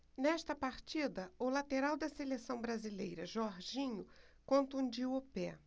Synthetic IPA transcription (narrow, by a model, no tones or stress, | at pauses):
nɛʃt̪ɐpaɾt͡ʃid̪ɐʊlat̪eɾawd̪ɐselesɐ̃w̃bɾazilḛjɾɐʒɔɾʒĩɲʊ | kõnt̪ũd͡ʒiopɛ